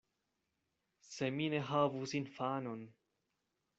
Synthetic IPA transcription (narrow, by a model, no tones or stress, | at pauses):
semineɦaːvusinfaːnon